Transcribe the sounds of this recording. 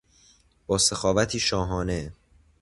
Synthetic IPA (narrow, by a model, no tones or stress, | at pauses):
b̥ɒːsexɒːvæt̪ʰiːʃɒːɦɒːne